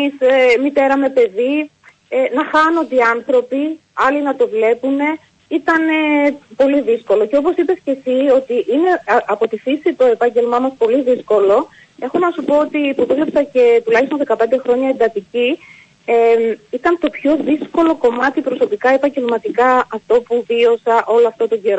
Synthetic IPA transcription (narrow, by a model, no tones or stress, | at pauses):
isemit̪e̞ɾɐme̞pe̞ði | enɐxɐno̞nd̪iɐnθɾo̞pi | ɐlinɐt̪o̞vle̞pune̞ | it̪ɐnepo̞liðisko̞lo̞ce̞o̞po̞sipesce̞sio̞t̪iʔine̞ɐpo̞t̪iθisit̪o̞e̞pɐɲɟe̞lmɐmɐspo̞liðisko̞lo̞ | e̞xo̞nɐsupo̞ot̪ipoðuvlepsɐce̞t̪ulɐçist̪oðe̞kɐpe̞nd̪e̞xɾo̞ɲɐend̪ɐt̪ici | emit̪ɐnt̪o̞pço̞ðisko̞lo̞ko̞mɐt̪ipɾo̞sopikɐe̞pɐɲɟe̞lmɐt̪ikɐɐft̪o̞puvio̞sɐʔo̞loɐft̪ot̪o̞ɟeɾo